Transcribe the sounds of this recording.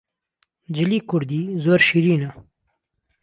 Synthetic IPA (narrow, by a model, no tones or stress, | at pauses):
d͡ʒilikuɽd̪izoɾʃiɾina